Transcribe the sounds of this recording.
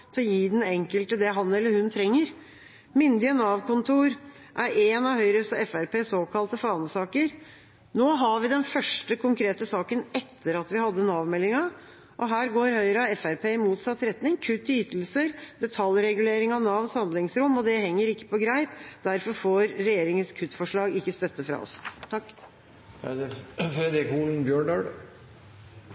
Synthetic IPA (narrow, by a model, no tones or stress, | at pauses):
t̪ʰɪjiːd̪ɛnɛŋkəlt̪əd̪ɛɦɑnːɛlːəɾhʉnt̪ʰɾɛŋːəɾ | mʏnd̪ɪənɑːʋkʰʊnt̪ʰuːɾ | ʔæɾeːnɑʋhœʏɾəsɔɛfæɾpʰeːsoːkʰɑlt̪əfɔɾɑnsɑːkəɾ | noːɦɑʋɪd̪ɛnfœʂʈəkʰʊŋkɾeːt̪əsɑːkənɛt̪ʰːəɾɑt̪ʋɪhɑd̪ːənɑːʋmɛlːɪŋɑ | ʔɔɦæːɾɡoːɾhœʏɾəɑɛfæɾpʰeːmuːt̪sɑt̪ːɾɛt̪nɪŋkʰʉt̪ːyːt̪l̩səɾd̪̥ɛt̪ʰɑlɾɛɡʉleːɾɪŋɑʋnɑʋnshɑnd̪lɪŋsɾʊmːɔd̪ɛhɛŋːəɾɪkːə̥pɔɡɾæɪpd̪æɾfɔɾfoːɾːɛjeːɾɪŋənskʰʉt̪ːfɔʂɭɑːɡɪkːəst̪œt̪ːəfɾɑ̰ɔ̰st̪ʰɑkː | fɾɛd̪ɾɪkuːln̩bjøːɳɖɑɖ